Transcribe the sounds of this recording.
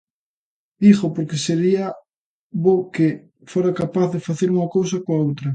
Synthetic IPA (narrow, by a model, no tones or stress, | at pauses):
dixopoɾkeseɾia | βoke | foɾakapaθðefaθeɾuŋakows̬ɐkoaowt̪ɾɐ